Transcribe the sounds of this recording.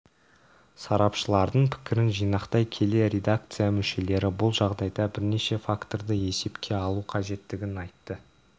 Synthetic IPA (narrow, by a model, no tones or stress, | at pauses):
sɑɾɑpʃəlˠɑɾd̪əɴpʰɪ̥kʲɪɾɪnʒijnɑqt̪ɑjkʲʰe̞le̞ɾʲe̞d̪ak̚t̪sɨjamʏʃe̞le̞ɾɪbʊlˠʒɑʁd̪ɑjd̪ɑbɪɾne̞ʃe̞fakt̪o̞ɾd̪əe̞se̞pkʲʰe̞ɑlˠuqʰɑʒe̞t̪ːɪɡʲɪnɑjt̪ːə